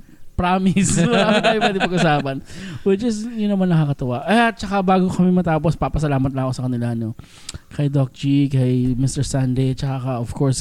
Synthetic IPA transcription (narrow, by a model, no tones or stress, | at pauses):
pɾaːmɪsɐakɐjpwɛd̪ɪpɐɡʔʊsaːpɐnwɛd͡ʒɐst̪jʊnːɐmanːɐkakɐt̪ɐwaʔɐjat̪̚t͡ʃɐkabaːɡokɐmɛmɐt̪aːpospapɐsɐlaːmɐt̪̚lakosɐkɐnɪlano | kɐjd̪ok̚d͡ʒikɐjmɪst̪ɛɹsand̪ejt͡ʃɐkakɐʔov̥kɔɹs